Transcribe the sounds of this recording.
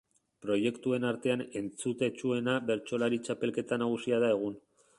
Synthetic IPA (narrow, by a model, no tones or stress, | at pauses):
pɾo̞je̞kt̪ue̞naɾt̪e̞ane̞nt͡sut̪e̞t͡ʃue̞naβe̞ɾt͡ʃo̞laɾit͡ʃape̞lke̞t̪anaɣ̞usiaðae̞ɣ̞un